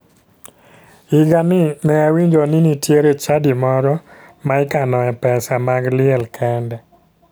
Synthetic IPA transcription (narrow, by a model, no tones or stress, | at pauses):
ɪɡanɪmɛawiɲd͡ʒonɪnitjeɾet͡ʃadimɔɾɔ | maɪkanɔɛpɛsamaɡlɪɛlkʰɛndɛ